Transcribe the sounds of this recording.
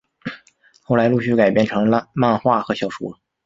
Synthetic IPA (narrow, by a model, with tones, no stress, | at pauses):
xo˥˩ʊla˧˥ɪlu˥˧ɕy˥˩ka˨˩ɪpjɛ˥˩nʈ͡ʂʰɤ˧˥ŋ˥˧ma˥˧nxwa˥˩xɤ˧˥ɕjɑ˨˩ʊʂṵ˧˥˩